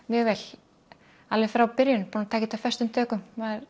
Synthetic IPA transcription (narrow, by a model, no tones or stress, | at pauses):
mjɛɣvɛl | alvɪfɛɾawpɪɾjʏnpɔnt̪ʰaːcɪt̪awfɛst̪ʏmt̪ʰœːkʏmmaðɾ